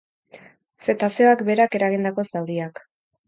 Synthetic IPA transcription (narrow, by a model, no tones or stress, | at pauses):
se̞t̪aseoakbe̞ɾake̞ɾaɣ̞ind̪ako̞sawɾiak